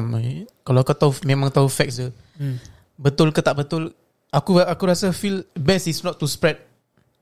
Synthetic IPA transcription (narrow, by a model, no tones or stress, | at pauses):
mkalawakut̪aumẽmãŋt̪aɦufɛk̚sə | bət̪ʊlkət̪aʔbət̪ʊl | akuakuɾasafilbɛsisnɔt̪ːuspɾɛd̚